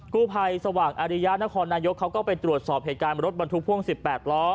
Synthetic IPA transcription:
kuː˥˩pʰa˧jsa˧waː˨˩ŋʔaː˧ɾi˦˥ja˦˥t̪̚na˦˥kʰɔː˧nːaː˧jo˦˥kʰːa˦˥wkɔː˥˩pa˧jt̪ɾu˨˩ət̪̚sɔː˨˩p̚ɦeː˨˩t̪̚kaː˧n˧ɾo˦˥t̪̚ba˧nt̪ʰu˦˥pʰu˥˩əŋsi˨˩pːɛː˨˩t̪̚lɔː˦˥

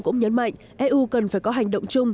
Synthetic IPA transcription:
kʊ̰˧˥ŋ͡mɲə˨˦nma̰˧˨jŋ̟ʔɛ˧ʔu˧kə˨˩nfaː˧˩jkɔ˨˦ɦa˨˩jŋ̟ɗə̰˧˨wŋ͡mt͡ɕʊ˧ŋ͡m

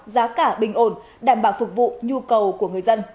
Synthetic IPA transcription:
zaː˨˦kaː˧˩ɓï˨˩ŋ̟ʔo˧˩n | ɗaː˧˩mɓaː˧˩wfʊ˨˩k̚vṵ˧˨ɲu˧kə˨˩wku˧˩əŋɨ˨əjzə˧n

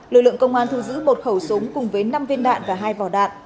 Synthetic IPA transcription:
lɨ˨lɨ̰˧˨əŋkə˧wŋ͡mʔaː˧nt̪ʰu˧˩zɨ̰˧˥mo˨˩t̚xə˧˩wsʊ˨˦ŋ͡mkʊ˨˩ŋ͡mvəː˨˦jna˧mvi˧ənɗa̰ː˧˨nvaː˨˩ɦaː˧jvɔ˧˩ɗa̰ː˧˨nʔ

